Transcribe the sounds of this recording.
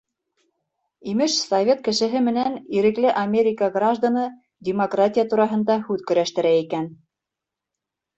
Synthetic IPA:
imɘʃsɐvʲe̞t̪̚kɘ̆ʃɘ̆ɦɘmɘ̆næniɾɘ̆klɘʔamʲeɾʲɪkəɡraʒd̪anɤ | dʲɪmokratʲɪjət̪uɾɑɦɤ̆nd̪ɑhʉðkɵ̆ɾæʃt̪ɘ̆ɾæikæn

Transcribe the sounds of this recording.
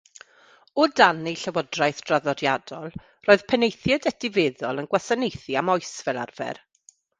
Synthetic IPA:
ɔdaneɬəwɔdrajθd̥raðɔdjadɔlˠ | roːɨð̥pʰɛnejθjɛdɛtɪveːðɔlˠənɡwasanejθiamɔjsv̥ɛlˠa̰rvɛ̰r

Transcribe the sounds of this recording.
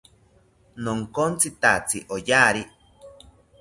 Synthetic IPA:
noŋkont͡sit̪at͡sḭʔojaɾi

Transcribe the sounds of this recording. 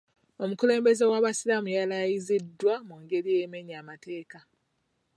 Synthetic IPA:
o̞mukule̞ːmbe̞ze̞waβasilamujalajizidwamuŋɡe̞ɾijeme̞ɲamate̞ːka

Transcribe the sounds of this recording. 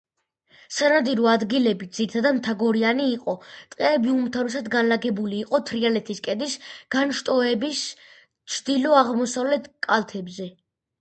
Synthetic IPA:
sanad̪iɾɔad̪ɡilɛbid̪zit̪ʰad̪amt̪ʰaɡɔɾianiːqʼɔt̪ʼqʼɛːbiumt̪ʰavisad̪ɡanlaɡɛbuliːqʼɔt̪ʰɾialɛt̪ʰiskʼɛd̪isɡ̥anʃt̪ʼɔɛbis | t͡ʃʰd̪ilɔaʁmɔsavlɛt̪ʰkʼalt̪ʰɛbzɛ

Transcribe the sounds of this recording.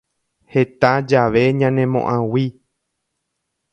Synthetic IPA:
he̞t̪ad͡ʒaʋe̞ɲãnẽmõ̰ʔãwi

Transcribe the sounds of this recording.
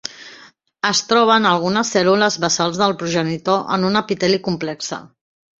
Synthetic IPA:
əst̪ɾɔβ̞ənəlˠɣ̞unəsːɛluləzβəsalˠzðəlˠpɾuʒənit̪oʔə̰nunəpit̪ɛlikumplɛksə̰

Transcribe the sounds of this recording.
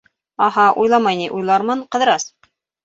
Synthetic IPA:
ɑhɑʔujlˠɑmɑjniʔujlˠɑɾmɤɴqɤ̆ðɤ̆ɾɑs

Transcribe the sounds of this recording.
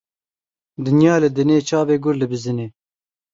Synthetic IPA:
d̪ɨnjɑːlɨd̪ɨneːt͡ʃʰɑːveːɡʊɾlɨbɨzɨneː

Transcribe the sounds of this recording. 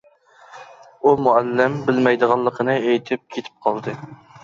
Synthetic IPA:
umuælːɪmbɪlmɛjd̪əʁɑlˠːəqʰənɨejt̪ʰɪp̚kʲʰet̪ʰɪ̥p̚qʰɑlˠd̪ɨ

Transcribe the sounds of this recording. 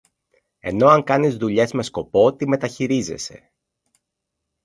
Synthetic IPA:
e̞̰no̞ɐŋkɐnizðuʎe̞zme̞sko̞po̞t̪ime̞t̪ɐçiɾize̞̰se̞̰

